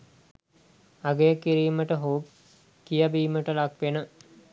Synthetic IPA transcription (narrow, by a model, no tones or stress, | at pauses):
aɡejəkiɾiːməʈəɦoːp | kijabiːməʈəlakʋenə